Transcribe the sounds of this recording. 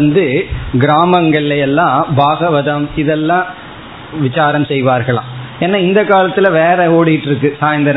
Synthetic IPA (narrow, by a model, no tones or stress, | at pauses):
nd̪ɯɡɪɾaːmɐŋɡɐɭɐjɛlːãːbʱaːɣɐʋɐðɐmɪðɛlːãː | ʋɪt͡ʃaːɾɐmsɛjʋaːɾɣɐɭã̰ːeːnːaːɪnd̪ɐkaːlɐt̪ːɪlɐʋeːɾɐoːɽɪjɪʈːɪɾɯkːɯsaːjɐnd̪ɐɾ